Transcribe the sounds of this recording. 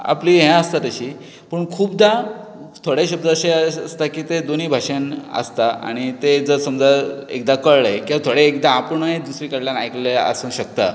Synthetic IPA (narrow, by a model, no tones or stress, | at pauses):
a̰pliɦɛ̃əst̪at̪əɕiː | pəɳkʰuːbd̪a | t̪ʰoɽjeɕəb̚d̪əəɕeəst̪akiːt̪ed̪oniːbʱaʂanə̰st̪aa̰ɽ̃it̪ed͡zəsəmd͡zaḛk̚d̪akəɭaɦekĩʋat̪ʰoɽeːkd̪aːpɳəɦed̪usɾikəɾljanajkleə̰səŋɕək̚t̪a̰